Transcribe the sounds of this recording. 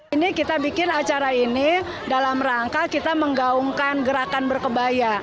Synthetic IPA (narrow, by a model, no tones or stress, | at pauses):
inikit̪abikɪnat͡ʃaɾaini | dalamraŋkakit̪aməŋɡauŋkanɡəɾakanbərkəbaja